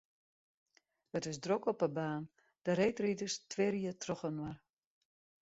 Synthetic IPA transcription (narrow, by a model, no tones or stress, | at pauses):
ətɪsdrokɔpəbaːn | d̥əɾejtridəstʋɪɾiətrɔχənwar